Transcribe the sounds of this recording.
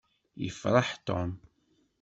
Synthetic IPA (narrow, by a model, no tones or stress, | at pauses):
jə̰fɾˤɑħt̪o̰m